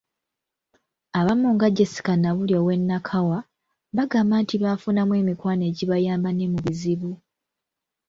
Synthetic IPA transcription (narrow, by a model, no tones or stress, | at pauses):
aβamuŋɡaɟesi̥kanaβuljo̞ːwe̞nːakʰawa | βaɡamaːntiβafunamwe̞ːmikwaːne̞ːɟiβajaːmbane̞muβiziβu